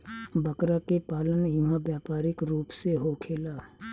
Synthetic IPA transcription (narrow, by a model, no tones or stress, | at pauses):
bəkɾakepaːlənjʊɦãbjaːpaːɾɪkɾuːpseɦokʰeːlaː